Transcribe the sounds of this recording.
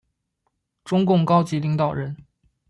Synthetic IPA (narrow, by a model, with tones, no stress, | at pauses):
ʈ͡ʂʊ˥ŋkʊ˥˩ŋkɑ˥ʊt͡ɕi˧˥li˧˥ŋt̪ɑ˨˩ʊɻə˧˥n